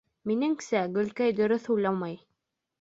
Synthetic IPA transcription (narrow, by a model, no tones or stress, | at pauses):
minɘŋsæɡɵ̆lkæjd̪ɵ̆ɾɵθhujlˠɑmɑj